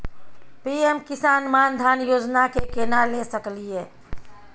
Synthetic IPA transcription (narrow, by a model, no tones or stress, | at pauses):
piemkisaːnmand̪ʱaːnjoːd͡ʒnakekenalesəklie